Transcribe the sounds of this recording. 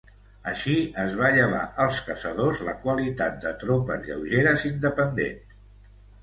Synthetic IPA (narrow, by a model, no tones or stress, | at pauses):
əʃiəzβaʎəβ̞a̰ʔəlˠskəsəðozləkwəlit̪at̪̚d̪ət̪ɾopə̰zʎə̰wʒeɾəzind̪əpənd̪ḛns